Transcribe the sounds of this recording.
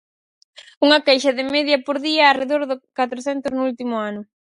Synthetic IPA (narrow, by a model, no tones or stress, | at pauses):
uŋɐkejʃɐðɪmeðjɐpoɾðiɐːreðoɾðʊkat̪ɾoθɛnt̪ʊznʊult̪imʊanʊ